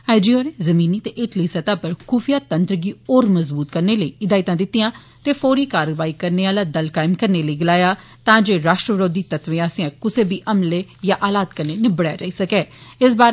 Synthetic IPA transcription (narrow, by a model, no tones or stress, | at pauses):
aːɪd͡ʒiːoːɾeːzəmiːniːt̪eːʔɪʈliːsət̪aːpəɾkʰuːfʰijaːt̪ənt̪ɾəɡiːoːɾməzbuːt̪kəɾneːləiːɪd̪aːɪt̪ãːd̪ɪt̪ːijãː | t̪eːpʰoːɾiːkaːɾʋaːiːkəɾneːaːlaːd̪əlkaːɪmkəɾneːləiɡəlaːjaː | t̪ãːd͡ʒeːɾaːʃʈɾəʋɾoːd̪iːt̪ət̪ʋẽãːsãːkʊseːbiːʔəmleːjãːʔaːlaːt̪kəɾneːnɪbəɽja̰ːd͡ʒaːiːsəkɛːɪsbaːɾ